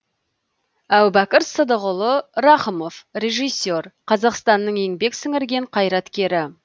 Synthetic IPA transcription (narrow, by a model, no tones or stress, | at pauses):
æwbækʲɪɾsəd̪əʁʊlˠəɾɑχəmo̞frʲe̞ʒijsːe̞rqʰɑzɑqst̪ɑnːəɴe̞ŋbe̞ksɪŋɪɾɡʲe̞ɴqʰɑjɾɑt̪kʲe̞ɾɪ